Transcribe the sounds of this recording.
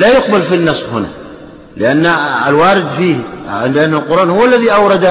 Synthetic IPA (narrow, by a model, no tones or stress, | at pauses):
laːjʊq̚balfinːɑsˤfhʊna̰ | lɪʔanːalwaːɾɪd̪fiːhɪndʔanːalqʊɾˤʔaːnhʊwːalːaðiʔawɾˤɑd̪a